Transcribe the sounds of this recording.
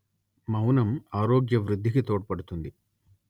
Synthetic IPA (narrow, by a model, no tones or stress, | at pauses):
mɐwnɐmaːɾoːɡjɐʋɾud̪ʱːikit̪oːʈ̚ɐpɐɽut̪und̪i